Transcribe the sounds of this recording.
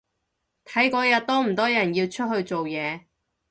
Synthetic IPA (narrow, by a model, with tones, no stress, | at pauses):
t̪ʰɐ˨˥jkɔː˧jɐ˨t̚t̪ɔː˥m̩˨˩t̪ɔː˥jɐ˨˩njiː˧wt͡ʃʰɵ˥t̚hɵ˧ɥt͡so˨wjɛː˨˧